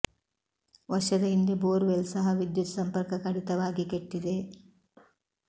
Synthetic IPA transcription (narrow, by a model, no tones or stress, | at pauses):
ʋɐʃɐd̪ɐɦind̪eboːɾʋelsɐɦɐʋid̪jut̪ɐsɐmpɐɾkɐkɐɽit̪ɐʋaːɡikeʈːid̪e̞